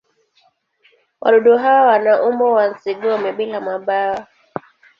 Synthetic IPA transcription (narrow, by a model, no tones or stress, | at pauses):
wʔa̰ɗɔɗɔɦawawanaʔumbɔwanziɡɔmɛɓilamwaɓawa